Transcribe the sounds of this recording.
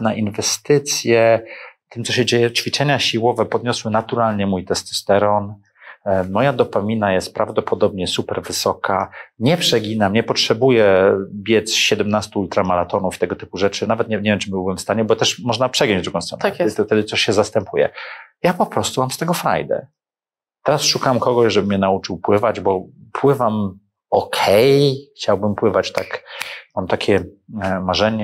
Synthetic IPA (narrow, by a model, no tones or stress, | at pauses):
naʔinvɛst̪ɘt̪sʲjɛt̪ɘmt̪sɔɕɛd͡ʑejɛt͡ʂfʲit͡ʂɛɲaɕiwɔvɛpɔd̪ɲɔswɘnat̪uɾalɲɛmujt̪ɛst̪st̪ɛɾɔn | mɔjad̪ɔpamʲinajɛst̪̚pɾavd̪ɔpʰɔd̪ɔbɲɛsupɛɾvɘsɔkaɲɛpʂɛɡʲinamɲɛpɔtʂɛbujɛbʲjɛt̪sɕɛd̪ɛmnast̪uult̪ɾamaɾat̪ɔnufi̥t̪ɛɡɔt̪ɘpuʐɛt͡ʂɘnavɛt̪ɲɛmɲevjɛmt͡ʂɘbɘwbɘmfst̪aɲɛbɔt̪ɛʂmɔʐnapʂɛɡjɔɲd͡ʑd̪ɾuɡɔ̃st̪ɾɔ̰naft̪ɛd̪ɘt̪sɔɕɕɛzast̪ɛmpʰujɛ̰japɔpɾɔst̪umamst̪ɛɡɔfɾa̰jd̪ɛ̰ | t̪ɛɾasʂukamkɔɡɔɕʐɛbɘmɲɛnaut͡ʂɘwpwɘvad͡ʑbɔpʰwɘvam | ɔkʰɛjxt͡ɕawbɘmpwɘvat͡ɕt̪akmamt̪akʲʰɛ | maʐɛɲɛ